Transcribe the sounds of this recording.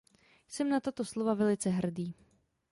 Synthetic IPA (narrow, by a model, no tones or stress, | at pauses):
sɛmnat̪at̪oslovavɛlɪt͡sɛɦr̩diː